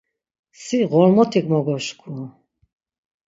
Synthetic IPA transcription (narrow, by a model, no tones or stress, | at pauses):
siʁɔɾmɔt̪ʰikmɔɡɔʃkʰu